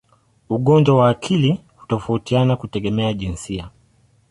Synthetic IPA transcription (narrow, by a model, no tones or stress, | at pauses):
uɠɔɲd͡ʒwawaːkʰili | hu̥tɔfautianakutɛɠɛmɛaʄinsia